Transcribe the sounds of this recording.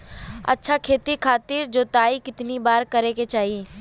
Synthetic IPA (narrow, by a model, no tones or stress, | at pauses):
ɐ̰tːʃʰakʰeːt̪ikʰaːt̪iːɾd͡ʒoːt̪aːikɪt̪nibaːɾkɐɾeket͡ʃaːɦie